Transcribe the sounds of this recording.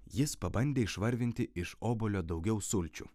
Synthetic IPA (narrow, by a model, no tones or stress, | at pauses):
jɪspɐbɐnʲd̪ʲeːɪʃʋɐɾʲʋʲɪnʲt̪ʲɪɪʃoːbolʲoːd̪ɒʊɡʲɛʊsʊlʲt͡ʃʲṵ